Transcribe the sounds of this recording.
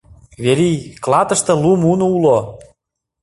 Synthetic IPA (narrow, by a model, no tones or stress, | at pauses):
βeɾijklɑt̪ə̆ʃt̪ɤ̆lumunoulo